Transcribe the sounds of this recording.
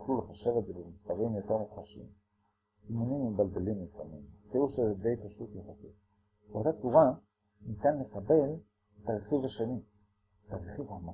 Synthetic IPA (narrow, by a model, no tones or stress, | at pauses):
kluleχaʃevetzebemispaʁimjoteʁmuχaʃḭm | simunimːibalbelimlifa̰nimχt̪iuʃezed̪e̞jpaʃutjeχase | beot̪at͡suʁa | nit̪anlekabe̞l | etaʁeχivhaʃeni | etaʁeχivhama